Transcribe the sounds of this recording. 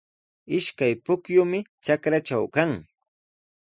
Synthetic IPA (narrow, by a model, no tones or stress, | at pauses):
ɪʃkajpʊkjʊmɪt͡ʃakɾat͡ʃawkaŋ